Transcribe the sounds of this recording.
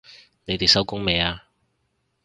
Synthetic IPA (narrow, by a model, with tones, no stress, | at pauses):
ne˨˧jt̪e˨˩sɐ˥wkʊ˥ŋme˨jaː˧